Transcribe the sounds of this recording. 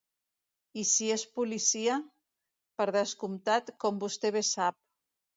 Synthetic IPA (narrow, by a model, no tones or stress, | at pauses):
isiespulisia | pəɾðəskumt̪at̪kɔmbust̪eβesap̚